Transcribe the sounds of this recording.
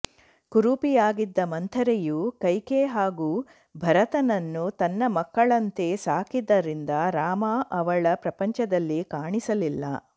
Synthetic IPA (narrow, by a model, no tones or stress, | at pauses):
kuɾupijaːɡid̪ːɐmɐnt̪ʰɐɾejukɐjkeɦaːɡuː | bʱɐɾɐt̪ɐnɐnːut̪ɐnːɐmɐkːɐɭɐnt̪e̞saːkid̪ɐɾind̪ɐɾaːmaːʔɐʋɐɭɐpɾɐpɐɲt͡ʃɐd̪ɐlːikaːɳisɐlilːɐ̰